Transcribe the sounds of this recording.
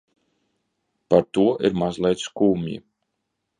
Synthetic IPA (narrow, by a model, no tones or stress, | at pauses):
paɾt̪uɔʔiɾmazlˠɛjt̪skuːmjḭ